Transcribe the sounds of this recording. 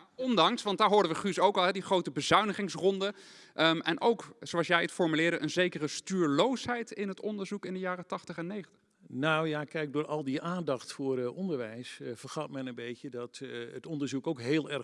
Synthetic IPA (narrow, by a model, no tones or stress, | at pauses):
ɔndɑŋsʋɑntdaːɹɦʊːɹdəʋəχysowkɑlˠɦɛdiχrowtəbəzœɥnəχɪŋsrɔndə | ʔəmʔɛnʔowksoɑlˠsjɛjətfɔɹmylɪːɹdəʔənzejkərəstyːɹlowsɦɛjtɪnɦətɔndəɹzukɪndəjaːrətɑχtəχɛnːejχəntə | nawjaːkɛjɡ̚dʊːɹɑlˠdiʔaːndɑxtfʊːrʔɔndəɹʋɛjsvərχɑtmɛnənbejcədɑtətɔndəɹzukowkɦeːlˠɛr